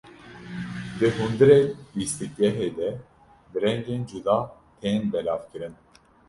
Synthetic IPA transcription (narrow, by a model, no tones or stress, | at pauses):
d̪ɨɦund̪ɨɾeːbist̪ɨɡɛɦeːd̪ɛ | b̪ɨɾɛŋɡeːnd͡ʒud̪ɑː | t̪ʰenbɛlɑːvkɨɾɨn